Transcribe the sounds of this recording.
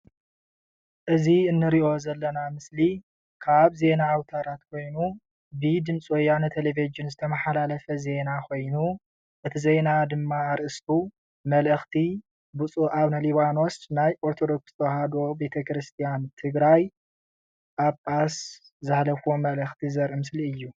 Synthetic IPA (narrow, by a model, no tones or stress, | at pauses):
ʔɨziɨnːɨɾiʔo̞zɐlːɐnamɨsli | kʰaβze̞naːwt̪ʰɐɾat̪kʰo̞jnu | bid̪ɨmt͡sʼojːanɨt̪ʰelevid͡ʒɨnzɨt̪ʰɐmɐħalalɐfɐze̞nakʰo̞jnu | ʔɨt̪ʰizenad̪ɨmːaːɾʔɨst̪ʰu | mɐlʔɨxt̪ʰi | but͡sʼuʔaβnɐliβano̞snajʔoɾt̪ʰod̪o̞kst̪ʰohad̪o̞be̞t̪ʰɐkɾɨst̪ʰijant̪ʰɨɡɾaj | ʔaβpʼas | zahlɐfomɐlɨxt̪ʰizɐɾʔimɨsliɨjːu